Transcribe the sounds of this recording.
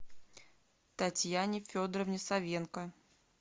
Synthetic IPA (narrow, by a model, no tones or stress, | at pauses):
t̪ɐtʲjanʲɪfʲod̪ɾəvnʲɪsɐvʲenkə